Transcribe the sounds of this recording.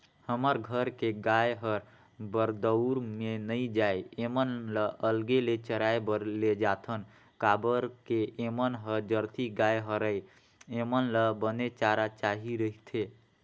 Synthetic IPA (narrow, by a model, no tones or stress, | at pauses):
həməɾɡʱəɾkeɡajɦəɾ | bəɾd̪əʊɾmenəid͡ʒajemənləʔəlɡelet͡ʃəɾaebəɾled͡ʒat̪ʰən | kabəɾkeemənɦəd͡ʒəɾt̪ʰiɡajɦəɾəj | emənləbənet͡ʃaɾat͡ʃaɦiɾəɦit̪ʰe